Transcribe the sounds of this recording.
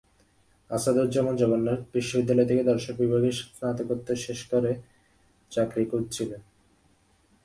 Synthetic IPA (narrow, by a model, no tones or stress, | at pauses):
asad̪uɾd͡ʑɔmond͡ʑɔbonːeɾbɾiʃːobid̪ːalɔet̪ʰeked̪ɔɾʃok̚bibʱaɡeʃsnat̪okot̪ːeʃeʃkoɾe | t͡ɕakɾikut̚t͡ɕʰilo